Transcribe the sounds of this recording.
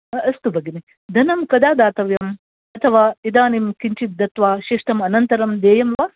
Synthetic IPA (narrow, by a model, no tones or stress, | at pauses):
ɐst̪ubʱɐɡini | d̪ʱɐnɐmkɐd̪aːd̪aːt̪ɐʋjɐm | ɐt̪ʰɐʋaːid̪aːnimkiɲt͡ʃit̪̚d̪ɐt̪ʋaːʃiʂʈɐmɐnɐnt̪ɐɾɐmd̪eːjɐmʋaː